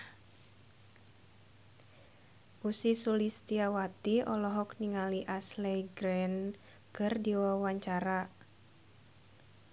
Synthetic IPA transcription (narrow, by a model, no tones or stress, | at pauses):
ʔusisulist̪iawat̪iɔlɔɦɔkniŋaliʔaslɛɡɾɛn | kɨrdiwawaɲt͡ʃaɾa